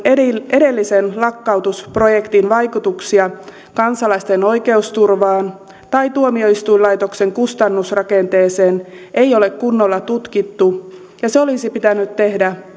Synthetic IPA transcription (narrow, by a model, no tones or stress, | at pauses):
e̞de̞lːisenlɑkːɑwt̪uspro̞je̞kt̪inʋɑjkut̪uksiɑ | kɑnsɑlɑist̪e̞no̞jke̞ust̪urʋɑːn | t̪ɑjt̪uomio̞ist̪ujlɑjt̪o̞kse̞ŋkust̪ɑnːusrɑke̞nt̪e̞ːse̞ːn | ʔe̞jo̞le̞kkunːo̞lːɑt̪ut̪kit̪ːu | jɑseo̞lisipit̪ænːyt̪t̪ːe̞hdæ